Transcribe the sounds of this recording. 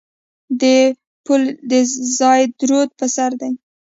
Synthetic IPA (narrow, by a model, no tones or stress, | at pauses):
d̪ə | puld̪əzɑjd̪ɾod̪̚pəsaɾd̪aj